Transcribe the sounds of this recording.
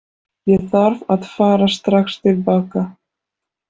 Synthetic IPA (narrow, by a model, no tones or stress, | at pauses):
jɛθaɾvaðfaːɾast̪ɾaxst̪ɪlpaːka